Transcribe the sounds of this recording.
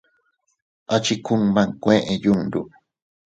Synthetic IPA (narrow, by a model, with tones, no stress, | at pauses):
a˧t͡ʃi˧ku˧˦ŋmã˧kʷẽ˦ʔẽ˨˧ju˦nd̪ṵ˧